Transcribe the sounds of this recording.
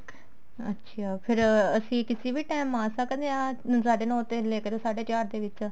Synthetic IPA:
ə̰tːʃʰaːpʰɪɾəsĩːkɪsiːbiːʈaːmãːsəkd̪eːãːsaːɖeːnɔ̃ːt̪eːleːkəɾoːsaːɖeːt͡ʃaːɾd̪eːʋɪt͡ʃ

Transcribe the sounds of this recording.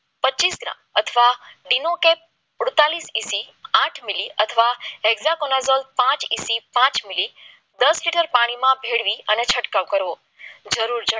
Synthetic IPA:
pətːt͡ʃisɡɾã̰mət̪ʰəʋaɖinokep̚ | ʊɽt̪alisisiaʈʰmiliət̪ʰəʋaeɡzakonazolpãt͡ʃisipãt͡ʃmili | d̪əsliʈəɾpaɽ̃imãbʱeɽʋiənet͡ʃʰəʈkaʋkəɾʋo | d͡ʒəɾuɾd͡ʒə

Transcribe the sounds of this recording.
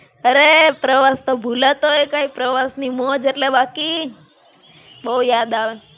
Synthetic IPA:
əɾepɾəʋast̪obʱulət̪oekaipɾəʋasnimod͡ʒeʈlebaki | bəujad̪aʋe

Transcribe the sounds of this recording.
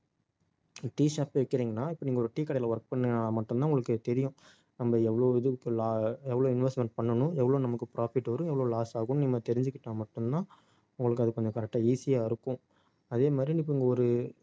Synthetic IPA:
ʈiːʂaːpeʋɪkːɪɾiːŋɡɐnːaːɪpːɐniːɡɔɾɯʈiːkːɐɽɐjɪlɐʋɐɾk̚pɐɳːamɐʈːɯmãːʊŋɡɐɭɯkːɯt̪ɛɾɪjʊ̃ | nɐmbɐɛʋːɐɭoːɪðɯkːɯlːɛʋːɐɭoːɪnʋɛsʈmɛɳʈ̚pɐɳːɐnʊ̃ɛʋːɐɭoːnɐmɐkːɯpɾaːfɪʈːʋɐɾɯ̃ɛʋːɐɭoːlaːsaːɣʊnnimːɐt̪ɛɾɪɲd͡ʒɯkːɪʈːaːmɐʈːɯmt̪ãː | ʊŋɡɐɭɯkːɯɐðɯkːɯɐnd̪ɐkɐɾɛk̚ʈːaiːsɪjaːɪɾɯkːʊ̃ | ɐðeːmaːd̪ɾijɪp̬ːɐɪŋɡɐɔɾɯ

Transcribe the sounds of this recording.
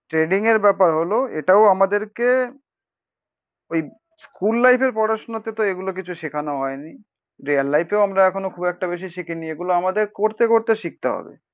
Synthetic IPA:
ʈɾeɖiŋeɾbɛpaɾɦoloḛʈaoamad̪eɾke | oj | skulːajpʰeɾpɔɽaʃonot̪et̪oeɡulok̬it͡ɕʰuʃikʰanoɦɔeni | ɾialːajpeoamɾaɛkʰonokʰubɛk̚ʈabeʃ̬iʃikinieɡuloamad̪eɾkoɾt̪ekoɾt̪eʃik̚t̪eɦɔ̰bḛ

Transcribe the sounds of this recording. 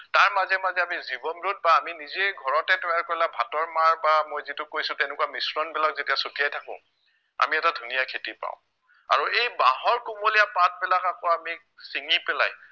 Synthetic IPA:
taɹmazɛmazɛamizibɔnɹut̚baːminizɛɡʱɔɹɔtɛtɔjaɹkoɹlabʱatɔɹmaɹbamojzitʊkojsʊ̃tɛnɛkuwamisɹɔnbɛlak̚zetijasotijajtʰakʊ̰̃ | a̰miɛtadʱunijakʰetipã̰ʊ̃ | a̰ɹuejbaɦɔɹkumolijapat̚bɛlakakɔami | siŋipɛla̰j

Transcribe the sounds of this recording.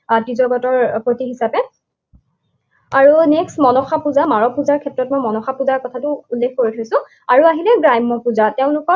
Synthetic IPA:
tizɔɡɔtɔɹpɹotiɦisapɛ | aɹunɛksmɔnɔxapuzamaɹɔpuzaɹkʰɛtɹɔtmojmɔnɔxapuzaɹkɔtʰatʊulːekʰkoɹitʰojsʊ̃ | aɹuaɦilɛɡɹajmːɔpuzatɛʊ̃nʊkɔ

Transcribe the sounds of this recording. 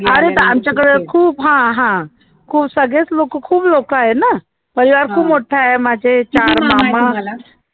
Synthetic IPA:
ɐɾet̪ɐaːmt͡ʃakɐɽekʰuːbɦãɦã | kʰuːbsɐɡesloːkkʰuːbloːkaːɦenɐ | pɐɾiʋaːɾkʰuːbmoʈʰaɦemãːd͡ʒet͡ʃaːɾmãːmã

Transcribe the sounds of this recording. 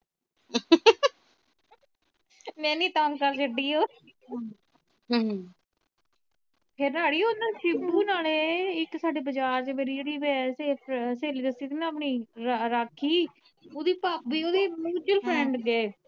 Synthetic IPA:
mɛ̃ːnĩːt̪amkəɾt͡ʃʰəɖiːoː | ɦ | pʰeːɾnaːɽiːoːnãːʃɪbuːnaːleːɪksaːɖeːbəd͡ʒaːɾt͡ʃemeːɾiːd͡ʒeːɽiːbɛseːseːliːd̪əsiːd̪iːnãːpɳiːɾɾaːkʰːiː | oːd̪iːpaːpiːoːd̪eːmuːd͡ʒəlpʰɾɛ̃ɳɖɡəeː

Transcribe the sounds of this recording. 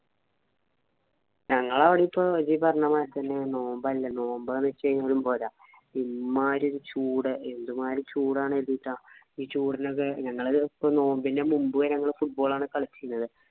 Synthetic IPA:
ɲɐŋːɐɭaʋiɽiipːod͡ʑipɐrɐɲamaːjɾt̪ɐnːe̞no̞ːmbɐllːɐno̞ːmbɐlnɐt͡ɕːejɲːaːɾumbo̞ːla | imaːɾioɾut͡ɕuːɽɨe̞nd̪umaːɾut͡ɕuːɽaːɳɨelt̪ːiʈːaː | iːt͡ɕuːɽinokːeɲɐŋːɐɭpːono̞ːmbinde̞mumbuɣɐɲɐŋːɐɭfuʈ̚bo̞ːɭaːɳɨkɐɭit͡ɕːijunːɐðɨ

